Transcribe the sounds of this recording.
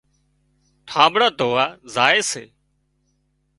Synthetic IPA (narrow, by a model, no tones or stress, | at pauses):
ʈʰãːbɽaːd̪ʱoːaːzaːeːseː